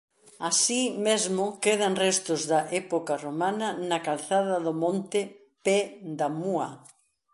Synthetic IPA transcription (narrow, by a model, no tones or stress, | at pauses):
asimezmʊkeðɐnrɛst̪ʊzðɐʔɛpokaromanɐnɐkalθaðɐðʊmõnt̪ɪ | pɛd̪amuɐ